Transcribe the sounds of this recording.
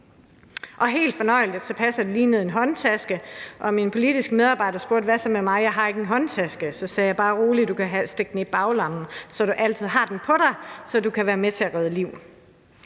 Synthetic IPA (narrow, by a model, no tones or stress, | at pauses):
ʔɒ̽ɦe̝̰ːld̥fɒ̽nɒ̽ɪ̰ld̥t͡sʰepʰæsæd̥uliːnəð̞̩ˠe̝nɦɒ̽nt͡sʰæsɡ̥əʔɒ̽minpʰo̝lid̥isɡ̥með̞ˠɑ̈ːb̥ɑ̈ɪ̰dɐsb̥o̝ɐ̰d̥ʋæsɒmemɑ̈ɪjɑ̈ɪɦɑ̈e̝ɡ̥enɦɒ̽nt͡sʰæsɡ̥əsɒ̽sɛːjɑ̈ɪb̥ɑ̈ːʁoːlid̥ukʰæɦæsd̥eɡ̥̚n̩eb̥ɑ̈ʊlɑ̈m̰n̩sɒ̽ɾ̥uʔæl̰t͡sʰið̰ˠɦɑ̈d̥enpʰɒ̽ɾɑ̈ɪsɒ̽dukʰæʋæːɐmet͡sʰe̝æʁɛð̞ˠəliʊ̰